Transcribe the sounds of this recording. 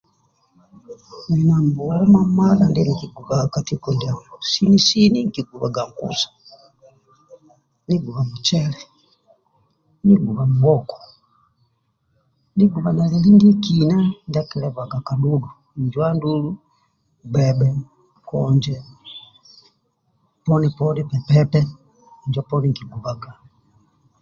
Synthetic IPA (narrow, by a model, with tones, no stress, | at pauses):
ni˨na˨mbu˨wa˨wɔ˦ma˦ma˦la˨ndɛni˨ki˨ɡu˨βa˨ka˨ti˦ku˨nda˨mɔsi˦ni˦si˦ni˦ŋ˨ki˨ɡu˨βa̰˨ɡa˨ŋkṵ˦sḁ | ni˦ɡu˨βa˨mu˨t͡ʃɛ˦lɛ˨ | ni˦ɡu˨βa˨mu˨wɔ˦kɔ̥˨ | ni˦ɡu˨βana˨lili˦ndi˦kinandakɛlɛva˨ɡa˨ka˨ɗudu˨ | ɲd͡ʒwandulu | bɛɓɛ | kɔɲd͡ʒɛ | pɔnipɔnipɛ˨pɛpɛ | ɲd͡ʒɔpɔniŋkiɡu˨βaɡa˨